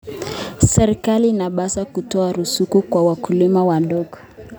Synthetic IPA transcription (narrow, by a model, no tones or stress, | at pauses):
sɛɾikaliːnaɓasakutɔaɾusukukwawakulimawandɔɡɔ̥